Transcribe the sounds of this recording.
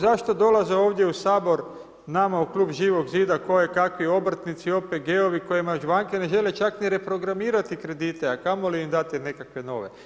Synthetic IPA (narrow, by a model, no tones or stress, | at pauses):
zaʃt̪od̪o̞lazeo̞ːʋd̪je̞usaːbo̞ɾ | namauklˠuːbʒiːʋo̞ɡziːd̪ako̞jekakʋio̞bɾ̩t̪nit̪sio̞peɡeo̞ʋikojemauʒʋaŋkene̞ʒe̞le̞t͡ʃakniɾe̞pɾo̞ɡɾamiːɾat̪ikɾe̞d̪iːt̪eakamo̞liimd̪at̪ine̞kakʋe̞no̞̰ʋe̞